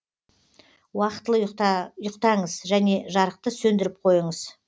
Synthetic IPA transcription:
wɑqət̪ːəlˠəjʊqt̪ɑɴəzʒæne̞ʒɑɾəq̚t̪əsɵnd̪ɪɾɪp̚qʰo̞jəɴəz̥

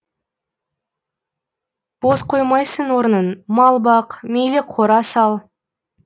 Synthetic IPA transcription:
b̥o̞sqʰo̞jmɑjsəɴwo̞ɾənənmɑlˠbɑqmejlɪqʰoɾɑsɑlˠ

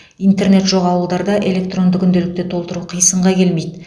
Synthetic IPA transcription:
ijnt̪eɾne̞t̪ʒo̞ʁɑwəlˠd̪ɑɾd̪ɑʔe̞le̞k̚t̪ro̞nd̪əkʲʰʏnd̪e̞lɪk̚t̪e̞t̪ʰo̞lˠt̪əɾuqʰijsəɴʁɑkʲʰe̞lme̞jd̪ɪ

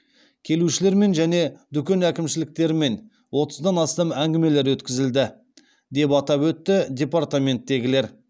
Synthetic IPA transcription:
kʲʰe̞luʃɪle̞ɾme̞nʒæne̞d̪ʏkʲe̞nækʲɪmʃɪlɪk̚t̪e̞ɾɪme̞n | wo̞t̪əzd̪ɑnɑst̪ɑmæŋɡʲɪme̞le̞ɾwɵt̪kʲɪzɪld̪ɪ | d̪e̞pɑt̪ɑpwɵt̪ːɪd̪ʲe̞part̪amʲe̞nt̪ːe̞ɡʲɪle̞ɾ

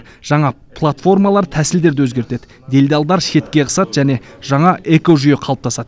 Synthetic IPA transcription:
ʒ̥ɑɴɑ | pʰlˠat̪fo̞rmɑlˠɑɾt̪ʰæsɪld̪e̞ɾd̪ɪwɵzɡʲe̞ɾt̪e̞d̪ɪ | d̪e̞lʲd̪ɑlˠd̪ɑɾʃe̞t̪kʲe̞ʁʰə̥sɑt̪ʒ̥æne̞ | ʒ̥ɑɴɑʔeko̞ʒʏje̞qʰɑlˠəp̚t̪ʰɑsɑd̪

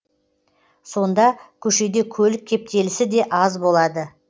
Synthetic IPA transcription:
so̞nd̪ɑkʲʰɵʃe̞d̪e̞kʲʰɵlɪk̚ʲʰːe̞p̚t̪e̞lɪsɪd̪e̞ʔɑzbo̞lˠɑd̪ə

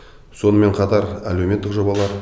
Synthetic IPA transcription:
so̞nəme̞ɴqʰɑt̪ɑɾæle̞wmʲe̞t̪ːɪkʒo̞bɑlˠɑɾ

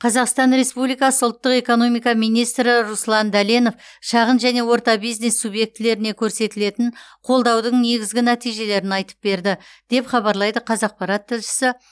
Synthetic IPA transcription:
qʰɑzɑqst̪ɑnɾe̞spublijkɑsəʊlˠt̪ːəqe̞ko̞no̞mijkɑmijnijst̪ɾɪɾuslˠɑnd̪æleno̞fʃɑʁənʒæne̞wo̞ɾt̪ɑbijzne̞sːubje̞k̚t̪ɪle̞ɾɪne̞kʲʰɵɾse̞t̪ɪle̞t̪ɪnqʰo̞lˠd̪ɑwd̪əɴne̞ɡʲɪzɡʲɪnæt̪ijʒe̞le̞ɾɪnɑjt̪ə̥p̚be̞ɾd̪ɪd̪̥e̞pχɑβɑɾlˠɑjd̪əqʰɑzɑq̚pɑɾɑt̪ʰːɪlʃɪ̥sɪ

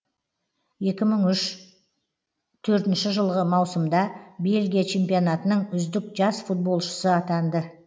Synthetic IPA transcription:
je̞kʲɪməɴʏʃ | t̪ʰɵɾt̪ɪnʃɪʒəlˠʁəmɑwsəmd̪ɑbe̞lɡʲijat͡ʃʰe̞mpijo̞nɑt̪ənəɴʏzd̪ɪk̚ʒɑsfut̪̚bo̞lˠʃə̥səɑt̪ɑnd̪ə

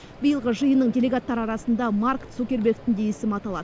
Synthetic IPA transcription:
bəjəlˠʁəʒəjənːəɴdʲe̞lʲe̞ɡat̪ːɑɾəɑɾɑsənd̪ɑmaɾksokʲe̞ɾbʲe̞kt̪ɪnd̪ejesɪmɑt̪ɑlˠɑ̰d̪ə

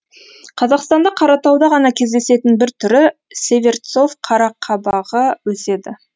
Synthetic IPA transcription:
qʰɑzɑqst̪ɑnd̪ɑqʰɑɾɑt̪ɑwd̪ɑʁɑnɑkʲʰe̞zd̪e̞se̞t̪ɪnbɪɾt̪ʰʏɾɪ | sʲe̞vʲe̞rt̪so̞fqʰɑɾɑqʰːɑbɑʁəwɵse̞d̪ɪ

